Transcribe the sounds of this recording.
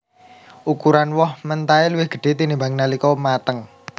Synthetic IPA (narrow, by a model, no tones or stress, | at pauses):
ʔukuɾanwɔhmənt̪ailuwɪhɡ̥ə̤ɖ̥e̤t̪inimbaŋnalikɔmat̪əŋ